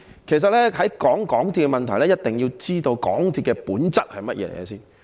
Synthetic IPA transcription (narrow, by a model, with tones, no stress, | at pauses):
kʰe˨˩js̬ɐ˨t̚lɛː˥ɦɐ˨˥jkɔː˨˥ŋkɔː˨˥ŋt̪ʰi˧t̚kɛ˧mɐ˨nt̪ʰɐ˨˩jlɛː˥jɐ˥t̚t̪ɪ˨ŋji˧wt͡siː˥t̪o˧wkɔ̰ː˨˥ŋt̪ʰiː˧t̚kɛ˧puː˨˥nt͡sɐ˥t̚hɐ˨jmɐ˥t̚jɛ̰ː˨˧l̰ḛ˨˩jɛ̰˨˧siː˥n